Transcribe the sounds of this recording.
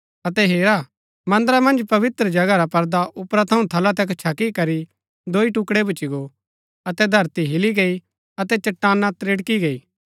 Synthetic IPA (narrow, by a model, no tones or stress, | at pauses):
ɐt̪ɛɦeːɾa | mɐ̃nd̪əɾamɐ̃nd͡ʒpɐʋɪt̪ɾəd͡ʒɐɡaɾapɐɾd̪aʔʊpɾat̪ʰɐũt̪ʰɐlat̪̬ɛkt͡ʃʰakikɐɾi | d̪oːiʈʊkɽebʊt͡ʃiɡo | ɐt̪ɛd̪ʱɐɾt̪iɦɪliɡɐi | ɐt̪ɛt͡ʃɐʈːaːnːat̪ɾeɽkiɡɐiː